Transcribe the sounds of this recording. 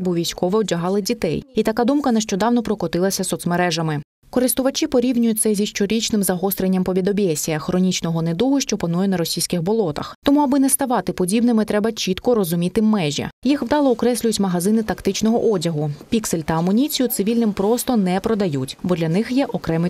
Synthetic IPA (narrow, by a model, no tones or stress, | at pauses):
buʋʲijsʲkɔʋɛwdʲɐɦɑlˠɪdʲit̪ɛ̰jit̪ɐkɑd̪umkɐnɛʃt͡ʃɔd̪ɑwnɔpɾɔkɔt̪ɪlˠɐsʲɐsɔt̪smeɾɛʒɐmɪ | kɔɾɪst̪ʊʋɐt͡ʃipɔɾʲiwnʲʊjʊt̚ʲt̪sɛzʲiʃt͡ʃɔɾʲit͡ʃnɪmzɐɦɔst̪ɾenʲːɐmpɔʋʲid̪ɔbʲɛsʲijɐxɾɔnʲit͡ʃnɔɦɔned̪uɦʊʃt͡ʃɔpɐnujɛnɐɾɔsʲijsʲkɪxbɔlˠɔt̪ɐ̰xt̪ɔmuɐbɪnɛst̪ɐʋɑt̪ɪpɔdʲibnɪmɪt̪ɾɛbɐt͡ʃit̪kɔɾɔzʊmʲit̪ɪmːɛʒʲɐ̰jixwd̪ɑlˠɔːkɾɛsʲlʲʊjʊtʲmɐɦɐzɪnɪt̪ɐkt̪ɪt͡ʃnɔɦɔʔɔdʲɐɦʊpʲikselʲt̪ɐɐmɔnʲit͡sʲijʊt̪sɪʋʲilʲnɪmpɾɔst̪ɔnɛpɾɔd̪ɐjutʲbɔd̪lʲɐnɪxjɛʔɔkɾɛmɪ